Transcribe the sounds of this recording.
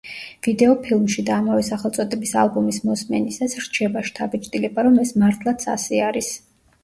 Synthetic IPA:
v̥id̪ɛɔpʰilˠmʃid̪aːmavɛsaχɛlˠt̪sʼɔd̪ɛbisa̰lˠbumismɔsmɛnisasɾt͡ʃʰɛbaʃt̪ʰabit͡ʃʼt̪ʼilɛbaɾɔmɛsmaɾt̪ʰlˠat̪sʰa̰sɛaɾis

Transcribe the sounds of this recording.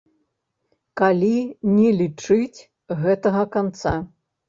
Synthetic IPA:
kalʲinʲɛlʲit͡ʂɨt͡sʲ | ɣɛt̪ɐɣɐkant̪sa

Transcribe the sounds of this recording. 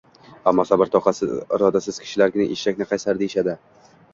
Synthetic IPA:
amːɒsabɪɾt̪ʰɒqʰɑsɪɪ̰ɾɒd̪asɪz̥kʲʰɪ̥ʃɪlaɾɡʲɪnɪ̰ʔeʃt͡ʃakʲnɪqʰɑjsaɾd̪eɪʃad̪ɪ

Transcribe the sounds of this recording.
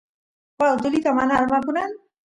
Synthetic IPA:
pad̪olit̪ɔmanaɾmapunan

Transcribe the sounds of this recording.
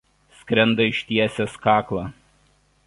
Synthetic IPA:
sʲkʲɾʲɛnd̪ɐɪʃʲt̪ʲiɛsʲeskɑːklˠɑː

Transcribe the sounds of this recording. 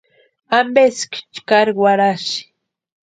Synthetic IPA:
ambeskt͡ʃkaɾwaɾaʃ

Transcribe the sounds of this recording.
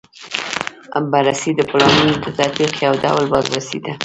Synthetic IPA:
a̰mbaɾasid̪əplɑmunod̪ət̪at̪biqjawd̪a̰wlbɑzɾasid̪a

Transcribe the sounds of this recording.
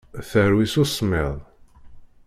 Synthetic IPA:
θəɾwisusˤmɪ̰ðˤ

